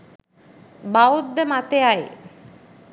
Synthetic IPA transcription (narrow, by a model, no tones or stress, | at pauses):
baud̪ːəmat̪eaj